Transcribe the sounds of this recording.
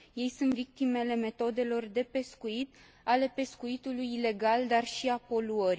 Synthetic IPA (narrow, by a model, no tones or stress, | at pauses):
je̞jsunt̪vik̚t̪ime̞le̞me̞t̪o̞d̪e̞lo̞rd̪e̞pe̞skuit̪ | ale̞pe̞skuit̪ulujile̞ɡald̪arʃiapo̞luəɾ